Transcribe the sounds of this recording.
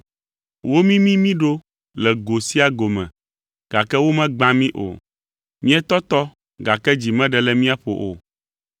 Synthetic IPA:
wo˦mĩ˦mĩ˦mĩ˦ɖo˦ | lɛ˨ɡo˨si˦a˦ɡo˨mɛ̰̃˨ | ɡ̥a˨kɛ˦wo˦mɛ̃˦ɡ͡bã˦mĩ˦ʔo̰˨ | mĩ˦ɛ˦t̪ɔ˦t̪ɔ˦ | ɡa˨kɛ˦d͡ʑi˨mɛ̃˦ɖɛ˨lɛ˨mĩ˦a˦ɸo̰˨ʔo̰˨

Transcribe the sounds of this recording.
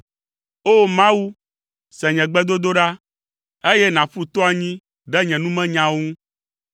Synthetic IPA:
o˦mã˦wu˦ | sɛ̃˨ɲɛ̃˨ɡ͡bɛ˦d̪o˦d̪o˦ɖa˦ | e˦jɛ˦nã˨ɸu˦t̪ɔ˦a˨ɲĩ˦ | ɖɛ˦ɲɛ̃˨nũ˦mɛ̃˦ɲã˦wo˦ŋũ˦

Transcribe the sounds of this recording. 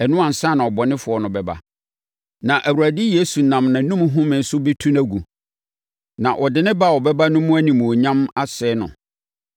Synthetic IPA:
ɛ˨nʊ̃˦ã˨n̩˨sã˦˨nã˨ɔ˨bɔ˨nɪ̃˦fʊ˨ɔ˦nʊ̃˨bɛ˨ba̰˨ | nã˨ʔæ˨wu˨ɾæ˨dɪ˦je˦su˨nã˨mnã˨nũ˦m˦ɦʊ̃˦mɪ̃˨n̩˨sʊ˦be˦tʰũ˦næ˨ɡu˨ | nã˨ʔɔ˨dɪ˨nɪ̃˦ba˦˨wɔ˨bɛ˦ba˦nʊ̃˦mʊ̃˦æ˦nĩ˨mũ˨o˨ɲã˦ma˦sɛː˨˦nʊ̰̃˨

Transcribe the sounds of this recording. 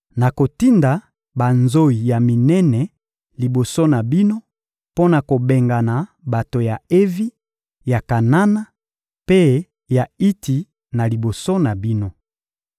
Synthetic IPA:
na˨ko˨ti˦nda˨ | ba˨nzo˦i˨ja˨mi˨nɛ˦nɛ˨ | li˨bo˨so˦na˨bi˦no˦ | po˦na˨ko˨be˨ŋɡa˨na˨ | ba˨to˨ja˨e˦vi˦ | ja˨ka˨na˦na˦ | pe˦ | ja˨i˦ti˨ | na˨li˨bo˨so˦na˨bi˦no˦

